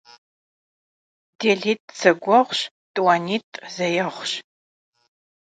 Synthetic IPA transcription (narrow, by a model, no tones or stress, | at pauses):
deːɮiːtʼsɐɡʷɔʁʷɕ | tʼwaːniːtʼzɐjɐʁʷɕ